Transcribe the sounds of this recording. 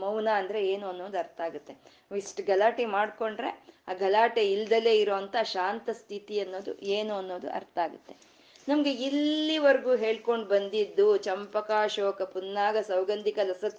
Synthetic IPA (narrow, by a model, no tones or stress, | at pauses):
mɐwnaːɐnd̪ɐɾe̞eːnuɐnːo̞ːd̪uɐɾt̪ʰaːɡut̪ːe̞ | ʋisʈɡɐlaːʈimaːɖko̞ɳɖɾe̞̰aːɡɐlaːʈeild̪ɐle̞ːiɾoːʋɐnt̪ɐʃaːnt̪ɐst̪ʰit̪iɐnːo̞ːd̪ṵeːnuɐnːo̞ːd̪ṵʔɐ̰ɾt̪aːɡut̪ːe̞ | nɐmɐɡe̞ilːiʋɐɾɡuːɦe̞ːɭko̞ɳɖbɐnd̪id̪ːut͡ʃɐmpɐkaːʃoːkɐpunːaːɡɐsɐwɡɐnd̪ʱikɐlɐsɐt̪